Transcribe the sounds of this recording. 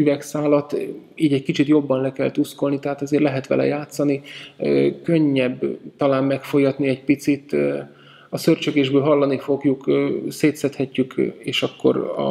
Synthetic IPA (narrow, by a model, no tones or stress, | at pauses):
yvɛksaːlɒt̪iːɟɛckit͡ʃit̪jo̞bːɒnlɛkɛlt̪usko̞lnit̪ɛɦaːt̪ɛzeːrlɛɦɛt̪ʋɛ̰lɛ̰jaːt̪sɒniøkøɲːɛbt̪ɒlaːmmɛkfojɒt̪niɛc̚pit̪sit̪ː | ɒsørt͡ʃøɡeːʒbøːlɦɒlːɒnifo̞ɡjukːseːt̪sɛt̪hɛcːykeːʃɒkːo̞̰ɾɒ̰